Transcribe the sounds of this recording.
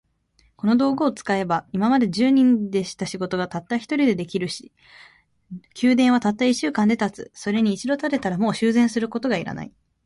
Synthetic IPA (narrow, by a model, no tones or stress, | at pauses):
ko̞no̞d̪o̞ːɡo̞ːt͡sɨ̥kae̞baimamad̪e̞ʑɨːɲ̟ĩnd̪e̞ɕi̥t̪aɕiɡo̞t̪o̞ɡat̪at̪ːaçi̥t̪o̞ɾʲid̪e̞d̪e̞kʲiɾɯ̟ɕi̥ | kʲɨːd̪ẽ̞ɰ̃β̞at̪at̪ːaiɕɨːkãnd̪e̞t̪at͡sɨso̞ɾe̞ɲ̟iːt͡ɕid̪o̞t̪at̪e̞t̪aɾamo̞ːɕɨːzẽ̞ɰ̃sɨɾɯ̟ko̞t̪o̞ɡaiɾa̰na̰i